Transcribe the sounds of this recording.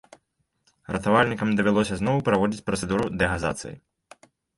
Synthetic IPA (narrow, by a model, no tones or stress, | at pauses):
ɾɐt̪avalʲnʲikɐmd̪ɐvʲɛlˠɔsʲɐznɔwpɾavɔd͡zʲit͡sʲpɾɐt̪sɛd̪uɾud̪ɛɣaza̰t̪sɨ̰jḭ